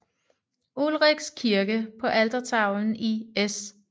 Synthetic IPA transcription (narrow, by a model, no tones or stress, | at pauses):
ulʁiɡ̥skʰiɐɡ̥əpʰɒ̽ʔæld̥ɐt͡sʰɑ̈ʊn̩ies